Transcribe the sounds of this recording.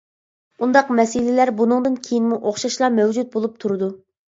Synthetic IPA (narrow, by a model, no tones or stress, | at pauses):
und̪ɑqmɛsɪlɪlæɾbunɨŋd̪ɨnkʲʰejinmuʔoχʃɑʃlˠɑmɛwd͡ʒut̪̚bolˠup̚t̪ʰuɾɨd̪u